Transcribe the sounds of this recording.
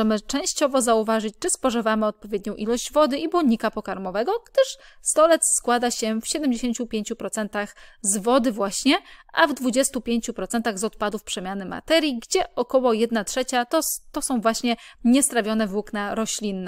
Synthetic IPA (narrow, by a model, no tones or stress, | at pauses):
ɛmɘt͡ʂɛ̃w̃ɕt͡ɕɔvɔzauvaʐɘt͡ɕt͡ʂɘspɔʐɘvamɘɔt̪̚pɔvʲjɛd̪ɲɔ̃w̃ʔilɔɕd͡ʑvɔd̪ɘʔibuɲikapɔkaɾmɔvɛɡɔɡ̥d̪ɘʂst̪ɔlɛt̪sskwad̪aɕɛfɕɛd̪ɛmd͡ʑeɕeɲt͡ɕupʲjeɲt͡ɕupɾɔt̪sɛnt̪axzvɔd̪ɘvwaɕɲɛʔa̰vd̪vud͡ʑɛst̪upʲjeɲt͡ɕupɾɔt̪sɛnt̪aɣzɔt̪pad̪ufpʂɛmʲjanɘma̰t̪ɛɾʲjiɡd͡ʑɛɔkɔwɔjɛd̪natʂɛt͡ɕat̪ɔt̪ɔsɔ̃w̃vwaɕɲɛɲɛst̪ɾavʲjɔnɛvuknaɾɔɕlʲinːɛ